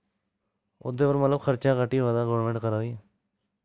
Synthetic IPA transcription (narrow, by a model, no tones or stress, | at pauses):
ʊ̰d̪epəɾmət̪ləbxəɾt͡ʃãkəʈiɦad̪aɡoːʋɾmẽɳʈkəɾad̪iːã